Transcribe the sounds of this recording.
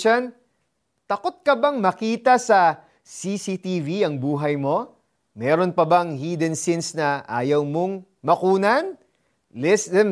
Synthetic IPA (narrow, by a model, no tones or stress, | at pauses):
ɐn | t̪ɐko̞t̪̚kɐbɐŋmɐkiːt̪ɐsɐ | sisit̪iːviɐŋbuːɦɐjmo̞ | mɛːɾo̞npɐbɐŋhiːd̪ɛnsinsnɐʔaːjɐwmo̞ŋ | mɐkuːnɐn | lɛsɛm